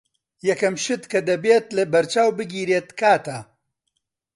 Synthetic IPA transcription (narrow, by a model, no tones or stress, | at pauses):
jɐkɐmʃɨd̪kɐd̪ɐbeːt̪lɐbɐɾt͡ʃaːwbɨɡiːɾeːt̪kaːt̪ɐ